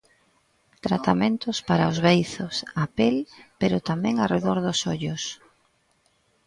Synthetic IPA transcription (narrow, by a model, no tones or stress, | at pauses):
t̪ɾat̪amẽnt̪ʊspaɾaʊzβejθʊsapelpeɾʊt̪amɛ̃ŋareðoɾðʊsoʎʊs